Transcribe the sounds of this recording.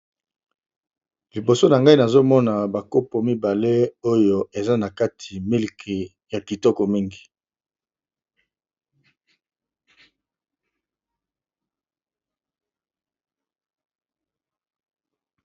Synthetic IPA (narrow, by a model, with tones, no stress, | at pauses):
li˨bo˨so˦na˨ŋɡa˦i˦na˨zo˦mɔ˦na˨ba˨ko˦po˨mi˦ba˨le˦o˦jo˨e˨za˦na˨ka˦tʰi˨mi˦lkʰe˨ | ja˨ki˨tɔ˦kɔ˨mi˦ŋɡi˨